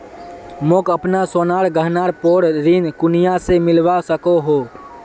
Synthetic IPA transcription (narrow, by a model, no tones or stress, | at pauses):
moːkəpnasoːnaːɽɡəɦnaːɾpoːɽɾinkʊnijasemɪlʋasəkoɦoː